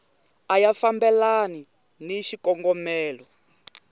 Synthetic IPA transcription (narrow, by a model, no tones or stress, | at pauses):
ajafambɛlani | niʃikɔŋɡɔmɛːlɔ